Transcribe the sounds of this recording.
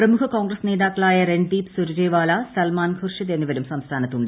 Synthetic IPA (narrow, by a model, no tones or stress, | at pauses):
prɐmukʰɐkoːŋɡrɐsne̞ːðaːkːɐɭaːjɐrenɖiːpsuɾud͡ʑeːʋaːlɐsɐlmaːnɡʰʱurʂjɐðenːuʋɐɾumsɐmst̪ʰaːnɐt̪ːuɳɖɨ